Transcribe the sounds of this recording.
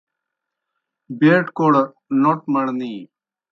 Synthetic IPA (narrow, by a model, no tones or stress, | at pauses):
beːʈkoɽɐ | noʈmɐɽniː